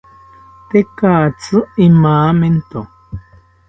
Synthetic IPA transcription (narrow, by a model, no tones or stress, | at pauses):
t̪ekaːt͡sɨʔimaːment̪o